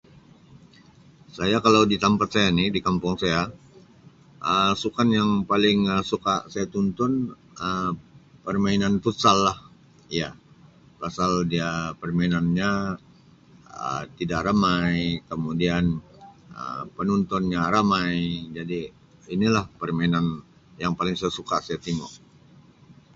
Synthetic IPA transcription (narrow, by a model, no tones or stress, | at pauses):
sajakalawdit̪ampat̪̚sajanidikampʊŋsaja | ʔəsukanjaŋpalɪŋəsukasajat̪unt̪ɔn | əpərmainanfut̪salːah | ija | pasaldiapərmainanɲa | ə̰t̪idaʔɾamajkəmudianə̰pənɔnt̪ɔnɲaɾamajd͡ʒadi | inilahpərmainan | jaŋpalɪŋsajasukasajat̪iŋɔʔ